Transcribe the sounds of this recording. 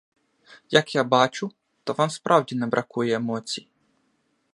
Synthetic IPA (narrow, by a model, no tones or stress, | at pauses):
jɐkjabɑt͡ʃʊ | t̪ɔʋɔnspɾʔɑwdʲinɛbɾʔɐkujɛːmɔt͡sʲi